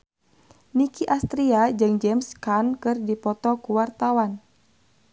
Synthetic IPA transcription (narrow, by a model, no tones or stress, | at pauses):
nikiʔast̪ɾiad͡ʒɨŋd͡ʒɛmskankɨrdipɔt̪ɔkuwart̪awan